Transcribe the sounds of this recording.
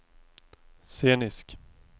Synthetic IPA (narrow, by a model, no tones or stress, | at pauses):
seːnɪsk